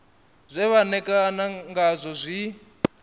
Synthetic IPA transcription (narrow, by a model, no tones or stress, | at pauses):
zʷɛβanɛkʼanaŋɡazʷɔzʷi